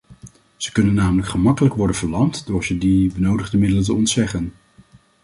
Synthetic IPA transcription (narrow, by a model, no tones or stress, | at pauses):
z̥əkɵnənːaːmələkχəmɑkələkʋɔɹdənvəɹlɑmtdʊːɹzədibənowdəχdəmɪdələnt̬əɔntsɛχən